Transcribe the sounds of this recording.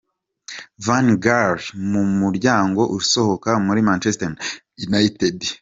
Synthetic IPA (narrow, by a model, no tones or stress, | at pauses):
vanɡaɾmumuɾɟaːŋɡo̞ʔuso̞ho̞kamuɾimant͡ʃeston | unajitedi